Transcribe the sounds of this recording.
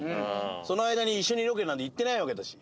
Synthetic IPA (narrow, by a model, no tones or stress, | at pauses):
ɯ̃so̞noaid̪aɲ̟iːɕːo̞ɲ̟iɾok̬eɾɯnãnt̪eit̪ːe̞naiβaked̪aɕi̥